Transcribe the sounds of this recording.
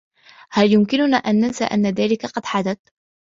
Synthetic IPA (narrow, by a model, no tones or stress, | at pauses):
haljʊmkɪnʊnaːʔanːansa̰ːʔa̰nːaðaːlɪkaqɑd̪ħad̪at̪